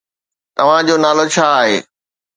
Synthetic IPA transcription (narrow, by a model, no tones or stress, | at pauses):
t̪ɐʋ̤ãd͡ʑoːnaːlot͡ɕʰaːɦeː